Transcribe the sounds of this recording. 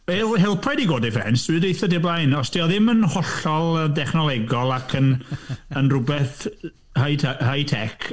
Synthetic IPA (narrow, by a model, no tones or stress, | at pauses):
hɪlˠɦɪlˠpʰɛdiɡoːdɛvɛ̰nsɨdejθɔdeblˠajnɔsd̥iɔðɪmənhɔɬɔlˠədɛχnɔlˠɛɡɔlˠakʰənənrʊbɛθ | hajtʰɛhajtʰɛkʰ